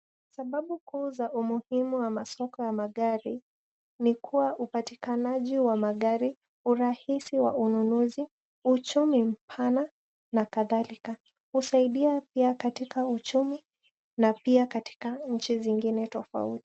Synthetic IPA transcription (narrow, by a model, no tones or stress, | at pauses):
saɓaɓukuːzaʔumuhimuwamasɔkɔjamaɠaɾi | nikʰuwaʔupatikanaʄiwamaɠaɾi | uɾahisiwa̰ununuzi | ut͡ʃumim̩pʰana | nakaðalika | husaiɗiapiakatikaut͡ʃumi | napiakati̥kaɲ̩t͡ʃiziŋɡinɛtɔfa̰utii̥